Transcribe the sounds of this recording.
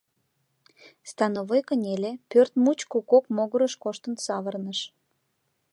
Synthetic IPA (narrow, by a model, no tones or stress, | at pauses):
st̪ɑnovojkənʲelʲepørt̪mut͡ɕkukokmoɣəɾəʃkoʃt̪ənsɑβərnəʃ